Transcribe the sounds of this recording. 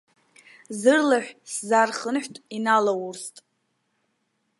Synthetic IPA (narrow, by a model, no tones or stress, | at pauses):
zɨrlaħʷᶣszarχənħʷᶣtʼinalawurstʼ